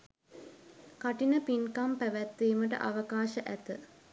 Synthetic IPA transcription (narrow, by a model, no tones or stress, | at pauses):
kaʈinəpinkampæʋæt̪ːiːməʈə̰ʔaʋəkaːʃəʔæt̪ə